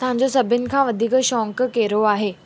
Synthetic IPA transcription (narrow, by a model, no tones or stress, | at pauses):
t̪ãɲd͡ʑosəbʱinkʰãʋəd̪ʱiːkəɕɔ̃ŋkkeɾoaɦe